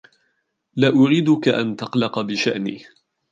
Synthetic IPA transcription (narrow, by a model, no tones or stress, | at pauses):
laːʔʊɾiːd̪ʊkaʔa̰nt̪ɑqlɑqbɪʃaʔniː